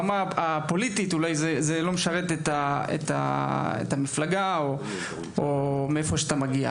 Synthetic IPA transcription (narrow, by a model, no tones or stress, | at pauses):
maapo̞lititulajzezelo̞meʃaʁet̪etaḛt̪a̰ḛtamiflaɡao | omeefo̞ʃeat̪amaɡia̰